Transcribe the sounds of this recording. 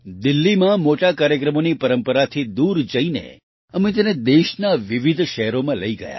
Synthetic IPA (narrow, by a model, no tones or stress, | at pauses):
d̪ɪlːimãmoʈakaɾjəkɾəmonipəɾəmpəɾat̪ʰid̪uɾd͡ʒəinḛ | əmẽt̪əned̪eʃnaʋiʋid̪ʱʃɛɦɾomãləiɡə̰ja̰